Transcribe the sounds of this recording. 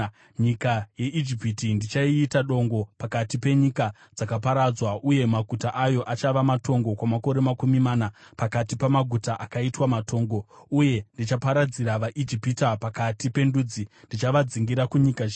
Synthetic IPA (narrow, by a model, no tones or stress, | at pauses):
ɲikaje̞ʔid͡ʒipitindit͡ʃaiːtaɗo̞ŋɡo̞pakatipe̞ɲika | d͡zakapaɾad͡zwaʔuje̞maɡʱutaʔajo̞ʔat͡ʃaʋamato̞ŋɡo̞kwamako̞ɾe̞makumimaːnapakatipamaɡʱutaʔakaitwamatʰo̞ːŋɡo̞uje̞ndit͡ʃapaɾad͡ziɾaʋaʔid͡ʒipitapakatipe̞ndud͡zindit͡ʃaʋad͡ziŋɡiɾakuɲikae